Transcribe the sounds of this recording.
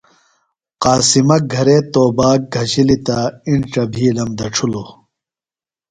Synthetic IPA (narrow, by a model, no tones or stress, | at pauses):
qaːsimɐɡʱɐɾeːt̪oːbaːk̚ɡʱɐɕilit̪aiɳʈ͡ʂɐbʱiːlɐmd̪ɐʈ͡ʂʰulo